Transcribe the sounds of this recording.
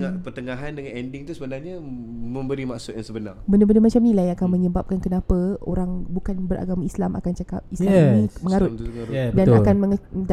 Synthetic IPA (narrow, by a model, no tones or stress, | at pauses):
ŋapərt̪əŋaɦandəŋanɛndɪŋt̪usəbənarɲaməmbəɾimaʔsʊt̪̚jaŋsəbəna̰rbəndabəndəmat͡ʃamnĩlajakanmə̃ɲəbap̚kankənapao̰ɾaŋbukanbəɾʔa̰ɡamaislamʔa̰kant͡ʃakap̚islaminĩməŋaɾʊt̪ŋadəat̪akanməŋəd